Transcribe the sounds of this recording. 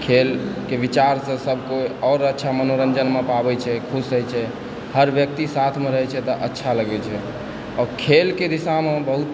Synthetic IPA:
kʰelkebit͡ʃaɾsə̃səbʱkoɔːɾətːʃʰamənoɾənd͡ʒənmepabɛt͡ʃʰɛkʰusəjt͡ʃʰɛ | həɾbjək̚t̪isat̪ʰmeɾəɦɛt͡ʃʰɛt̪ɔʔətːʃʰaləɡɛt͡ʃʰɛ | ɔːɾkʰelked̪isamebəɦut̪

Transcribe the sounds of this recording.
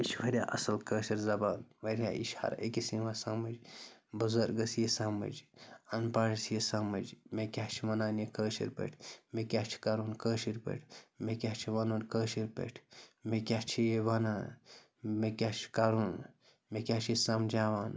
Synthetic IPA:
iʃʰʋɐɾʲja̰ːʔɐsɐlkəːʃiɾzɐbaːnʋɐɾʲja̰ːʔḭʃhɐ̰ɾ̰ʔḛkisiʋaːsɐmɐd͡ʒbuzɐɾɡɐsjesɐmɐ̰d͡ʒɐnpaːɽsjesɐmɐd͡ʒmekʲaːt͡ʃʰimɐnaːnjikəːʃḭɾpḛʈʰmekʲaːht͡ʃʰi̥kɐɾuːnkəːʃiɾpḛʈʰmekʲaht͡ʃʰiʋɐnuːnkəːʃiɾpḛʈʰmekʲaːt͡ʃʰijeʋɐnaːn | mekʲat͡ʃʰi̥kɐɾun | mekʲaːt͡ʃʰisɐmd͡ʒaːʋaːn

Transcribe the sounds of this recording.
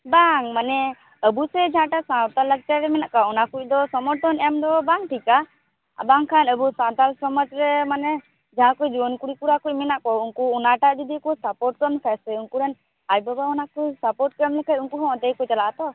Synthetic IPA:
baŋmanɛ | əbusɛd͡ʒaɦãʈasãwt̪alːək̚t͡ʃaɾɛmɛnaʔkaɔnakuc̚ˀd̪ɔsɔmɔɾt̪ʰɔnɛmd̪ɔbaŋʈʰika | baŋkʰanəbusãt̪alsɔmɔd͡ʒɾɛmanɛ | d͡ʒaɦãkujd͡ʒibɔnkuɽikuɾakuc̚ˀmɛnaʔkɔuŋkuːnaʈad̪id̪ikusapɔɾʈkəmlɛkʰajsɛuŋkuɾɛn | ajbabaɔnakujsapɔɾʈkəmlɛkʰajuŋkuɦɔ̃ɔt̪ejkɔt͡ʃalat̪ɔ

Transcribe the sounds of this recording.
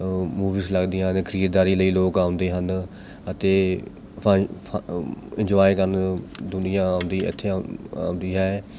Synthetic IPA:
muːʋiːsləɡd̪iːɦə̃nkʰəɾiːd̪̚d̪aːɾiːləiːloːkãːʊnd̪eːɦənd̪ | ət̪eː | ɪ̃ɲd͡ʒɔːekəɾnd̪ʊnɪjãːãʊnd̪iːɪ̰t̪ʰːeːa̰ːʊ̃nd̪iːɦɛː

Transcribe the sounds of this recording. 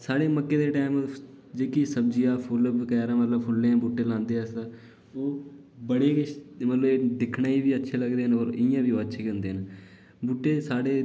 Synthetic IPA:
saːɽeːməkːeːd̪eːʈaːɪm | d͡ʒeːkisəbd͡ʒijaːpʰʊlkɛːɾãːmət̪ləbpʰʊlːeːãːbuːʈːeːlãːnd̪eːəsd̪aː | oː | bəɽeːkɪmət̪ləbeːɖ̪ɪkʰnaːiːbiːətːʃʰeːləɡd̪eːɦənəɾɪ̃jãːbiːoːətːʃʰeːkənd̪eːn | buːʈːeːsaːɽeː

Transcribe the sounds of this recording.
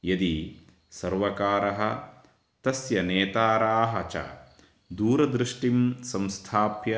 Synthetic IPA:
jɐd̪i | sɐɾʋɐkaːɾɐɦɐ | t̪ɐsjɐneːt̪aːɾaːɦɐt͡ʃa̰ː | d̪uːɾɐd̪ɾɪʂʈimsɐ̃mst̪ʰaːpjɐ

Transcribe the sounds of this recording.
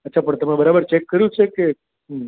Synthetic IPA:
ətːʃʰapəɳt̪əmẽbəɾabəɾt͡ʃekːəɾjũt͡ʃʰeke | ɦ

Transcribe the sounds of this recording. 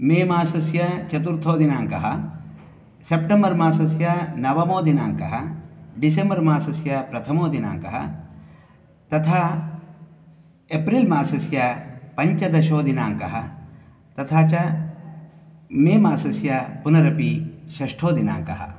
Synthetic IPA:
meːmaːsɐsjɐt͡ʃɐt̪uɾt̪ʰoːd̪inaːŋkɐɦɐ | sepʈembɐɾmaːsɐsjɐnɐʋɐmoːd̪inaːŋkɐɦɐɖisembɐɾmaːsɐsjɐpɾɐt̪ʰɐmoːd̪ina̰ːŋkɐ̰ɦɐ̰ | t̪ɐt̪ʰaː | epɾilmaːsɐsjɐpɐɲt͡ʃɐd̪ɐʃoːd̪inaːŋkɐɦɐ̰ | t̪ɐt̪ʰaːt͡ʃɐ | meːmaːsɐsjɐpunɐɾɐpiʃɐʂʈʰoːd̪ina̰ːŋkɐ̰ɦɐ̰

